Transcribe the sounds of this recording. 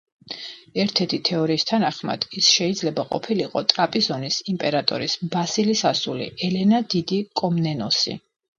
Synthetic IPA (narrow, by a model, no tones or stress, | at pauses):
ɛɾt̪ʰɛɾt̪ʰit̪ʰɛɔɾiːst̪ʰanaχma̰d̪̥isʃɛid̪zlɛbaqʼɔ̰pʰiliqʼɔt̪ʼɾapʼizɔnisimpʼɛɾat̪ʼɔ̰ɾisbasilisasulḭɛlɛnad̪id̪ikʼɔmnɛnɔsḭ